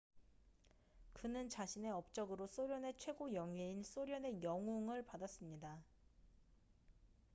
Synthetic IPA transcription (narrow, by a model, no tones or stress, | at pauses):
kɯnɯnt͡ɕaɕʰine̞ʌp̚t͡ɕ͈ʌɡɯɾos͈oɾjʌne̞t͡ɕʰwe̞ɡojʌŋɥeins͈oɾjʌne̞jʌŋoŋɯɭpadas͈ɯmɲida